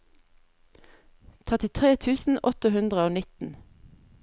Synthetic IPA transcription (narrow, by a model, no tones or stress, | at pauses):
t̪ʰɛt̪ɪt̪ʰʁeːt̪ʰʉːsn̩ʔɔt̪əhʉnd̪ʁəoːnɪt̪n̩